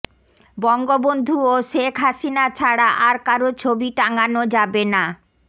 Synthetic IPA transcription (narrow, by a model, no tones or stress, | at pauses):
bɔŋɡobond̪ʱuoʃekʰɦaʃinat͡ɕʰaɽaʔaɾkaɾot͡ɕʰobiʈaŋanod͡ʑabena